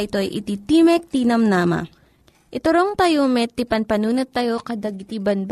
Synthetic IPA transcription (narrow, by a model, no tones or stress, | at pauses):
ʔɪt̪o̞ʔɐjʔɪ̰t̪it̪iːmɛk̚t̪iːnɐmnaːmɐ̰ | ʔɪt̪ʊɾoŋt̪ɐjomɛt̪ːipɐnpɐnuːnʊt̪ːɐjo̞kɐd̪ɐɡt̪ibɐnb